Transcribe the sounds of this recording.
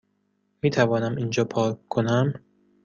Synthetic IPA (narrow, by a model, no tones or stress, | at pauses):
miːt̪ʰævɒːnæmind͡ʒɒːpʰɒːkkʰːonæm